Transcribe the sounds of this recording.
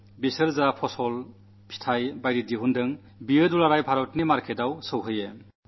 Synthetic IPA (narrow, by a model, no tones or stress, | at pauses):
bisɯɾzapʰɔsɔl | pʰi̥tʰajbajɾidiɦundɯŋ | bijɯdulaɾajpʰaɾɔtnimaɾkʰedawsɯwɦɯje